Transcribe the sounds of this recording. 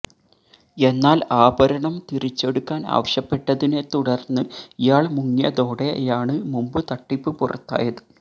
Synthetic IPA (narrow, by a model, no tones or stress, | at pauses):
e̞nːaːlaːbɐɾɐɳɐmt̪iɾit͡ɕːe̞ɽukːaːna̰ːʋɐɕɐpːe̞ʈːɐðine̞t̪uɽɐrnːɨijaːɭmuŋːjɐ̰ðo̞ːɽejaːɳɨmumbɨt̪ɐʈːipːɨpurɐ̰t̪ːa̰ːjɐðɨ̥